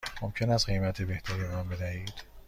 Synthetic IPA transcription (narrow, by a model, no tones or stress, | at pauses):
momcʰe̞næst̪ɡejmæt̪ʰe̞be̞ht̪ʰæɾimæmbe̞d̪æhiːd̪̥